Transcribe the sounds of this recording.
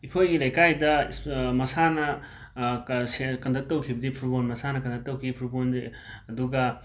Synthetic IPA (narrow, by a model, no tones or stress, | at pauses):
ikʰojɡilɐjkajdɐsmɐsanɐ | sekɐndʰʱɐk̚tɐwkʰibɐdipʰuɾbonmɐsanɐkɐndʰɐk̚tɐwkʰipʰuɾbone | ɐduɡɐ